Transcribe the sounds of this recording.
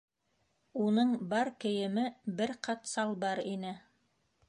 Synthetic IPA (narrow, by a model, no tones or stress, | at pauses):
unɤɴbɑɾkɘ̆jɘ̆mɘbɘɾqʰɑt̪sɑlˠbɑɾinɘ